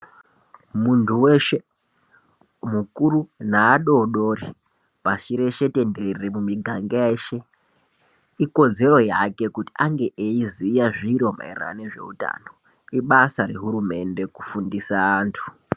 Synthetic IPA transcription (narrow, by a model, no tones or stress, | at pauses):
muntʰuweʃe̞ | mukuɾunaːɗo̞ɗo̞ri | pat͡ʃiɾe̞ʃe̞te̞ndeerimumiɡʱaŋɡeeːʃe̞ | iko̞d͡ze̞ɾo̞jake̞kuti̥aŋɡe̞ʔeizijaʐiɾoma̰ḭra̰neʐe̞̰uta̰no̞ | iɓasaɾe̞ɦuɾume̞nde̞kufundisaːntʰu̥